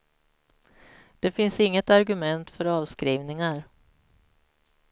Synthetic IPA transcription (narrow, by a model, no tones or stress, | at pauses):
d̪̥ɛfɪnsɪŋːət̪aɾɡɵmɛnt̪fœɾɑːvskɾiːvnɪŋaɾ